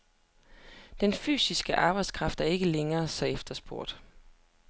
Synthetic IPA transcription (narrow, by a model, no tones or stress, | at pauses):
d̥enfy̰ːsisɡ̥əʔɑ̈ːb̥ɑ̈ɪd̥skʰʁɑ̈fd̥æɐe̝ɡ̥əleŋɐːsɒ̽efd̥ɐsb̥o̝ɐ̰d̥